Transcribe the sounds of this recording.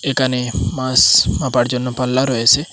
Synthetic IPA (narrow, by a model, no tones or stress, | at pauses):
ekanemasmapaɽd͡ʒɔnːɔpalːaɾɔese